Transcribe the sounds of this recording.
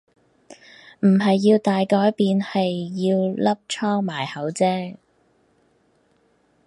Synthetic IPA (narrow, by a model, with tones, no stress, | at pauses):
m̩˨˩ɦɐ˨jːiː˧wt̪aː˨jkɔː˨˥jpiː˨nhɐ˨jːiː˧wlɐ˥p̚t͡ʃʰɔː˥ŋmaː˨˩jhɐ˨˥wt͡sɛː˥